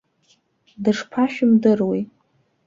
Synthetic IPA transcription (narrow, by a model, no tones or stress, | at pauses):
dɨʂpʰaʃᶣʊmdɨrwej